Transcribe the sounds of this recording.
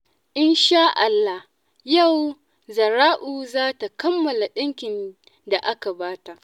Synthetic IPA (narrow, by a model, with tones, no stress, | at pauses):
ʔɪ˦nʃaː˦ʔa˨lːa˦h | ja˦˨w | zɐ˨ɾaː˦ʔuː˨zaː˦ta˨kɐ˦mːɐ˨la˨ɗɪ˦ŋkʲɪ˨n | da˨ʔa˦ka˨baː˦ta˨ʔ